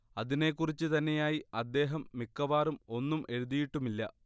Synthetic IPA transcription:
ɐðine̞kːurit͡ɕːɨt̪ɐnːe̞jaːjiɐd̪ːe̞ːɦɐmːikːɐʋaːrumo̞nːumʔe̞ɻuðijiʈːumilːɐ̰

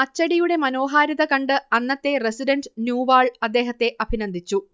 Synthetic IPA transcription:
ɐt͡ɕːɐɽijuɽe̞mɐno̞ːɦaːɾɐðɐkɐɳɖɨɐnːɐt̪ːe̞resiɖɐnɖnjuːʋaːɭɐd̪ːe̞ːɦɐt̪ːe̞ʔɐbʱinɐnd̪ʱit͡ɕːu

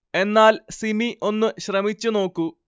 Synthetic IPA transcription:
e̞nːaːlsimiʔo̞nːɨɕrɐmit͡ɕːuno̞ːkːu

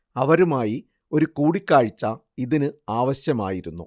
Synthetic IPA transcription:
ɐʋɐɾumaːji | o̞ɾukuːɽikʲːaːɻit͡ɕːɐ | iðinɨaːʋɐɕjɐmaːjiɾunːṵ

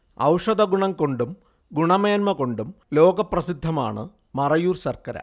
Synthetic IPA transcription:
ɐ̰wʂɐd̪ɐɡuɳɐŋko̞ɳɖum | ɡuɳɐmeːnmɐko̞ɳɖumlo̞ːɡɐprɐsid̪ʱːɐma̰ːɳɨ | mɐrɐjuːrsɐrkɐɾɐ̰

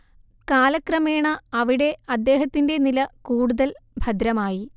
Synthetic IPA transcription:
kaːlɐkrɐme̞ːɳɐɐʋiɽe̞ɐd̪ːe̞ːɦɐt̪ːinde̞nilɐkuːɽuðɐlbʱɐd̪ɾɐmaːji

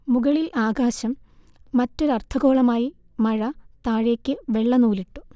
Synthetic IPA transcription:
muɡɐɭilʔaːɡaːɕɐmː | ɐtːo̞ɾɐrt̪ʰɐɣo̞ːɭɐmaːji | mɐɻɐt̪aːɻe̞ːkʲːɨʋe̞ɭːɐnuːliʈːu̥

